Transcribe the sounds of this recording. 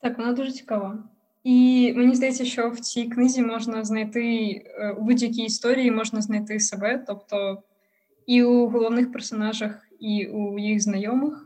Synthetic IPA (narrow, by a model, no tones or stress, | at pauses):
t̪ɑkʋɔnad̪uʐɛt͡sʲi̥kɐʋa | imenʲizd̪ɐjɛtʲsʲɐʃt͡ʃɔwt͡sʲijknɪzʲimɔʐnɐznɐjt̪ɪubudʲjɐk̬ʲijːst̪ɔɾʲijimɔʐnɐzn̪ɐjt̪ɪsɛbɛt̪ɔpt̪ɔ | iuɣɔlˠɔwnɪxpɛrsɔnɑʐɐx | iujiɣznɐjɔmɨx